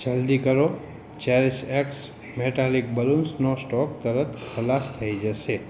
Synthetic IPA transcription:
d͡ʒəld̪ikəɾo | t͡ʃeɾiseks | meʈalik̚bəlũnsnosʈɔk̚t̪əɾət̪ʰkʰəlast̪ʰəid͡ʒəʃe

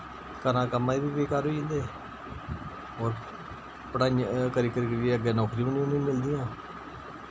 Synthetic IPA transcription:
kəɾãːkəmãːiːbiːʋeːkaːɾɦoːind̪eː | ɦoːɾ | pəɽãːkəɾiːkəɾiːkəɾeəɡeːnɔːkɾiːməniːnĩːmɪld̪ijãː

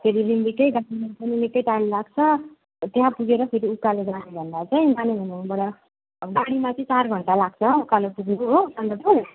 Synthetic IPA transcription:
pʰeɾirimbikʌjɡaɽimapʌninekːʌjʈajmlaɡt͡sʰʌ | t̪jɦãpuɡeɾʌpʰeɾiukːaleɡanebʱʌnd̪at͡saĩɡanebʱʌnuɦbʌɽʌ | ɡaɽimat͡sʌĩt͡sarɡʱʌɳʈalaɡt͡sʰʌukalepuɡnuɦosand̪apuɽ

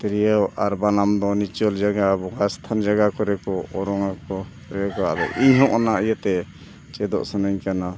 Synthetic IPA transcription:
t̪ɾijawaɾbanamd̪ɔnit͡ʃɔld͡ʒaɡabɔɡast̪ʰand͡ʒaɡakɔɾɛkɔɔɾɔŋakɔ | ɾɛkɔa̰d̪ɔ̰ʔiɲɦɔʔɔnaijət̪ɛ | t͡ʃɛd̪ɔ̰ʔsɔnaɲkana

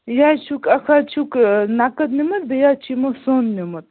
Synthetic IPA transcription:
jat͡ʃʰukɐkʰat͡ʃʰuknakɐt̪nimɐt̪̚bejat͡ʃimosoːnːimɐt̪̚

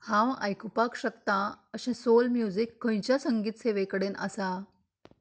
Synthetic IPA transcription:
hãwa̰jkupakɕəkt̪ãəɕɛ̃solmjud͡zikːõj̃t͡ɕjasəŋɡiːt̪seʋekəɽena̰sa

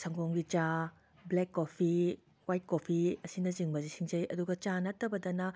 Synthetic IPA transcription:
sɐŋɡoŋɡit͡ʃa | blekːopʰi | wajt̚kopʰiɐsinɐziŋbɐzisiŋzɐjɐduɡɐt͡ʃanɐtːɐbɐdɐnɐ

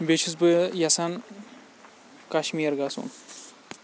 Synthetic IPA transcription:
bet͡ʃʰisbɨjɐsan | kaʃmiːɾɡasṵn

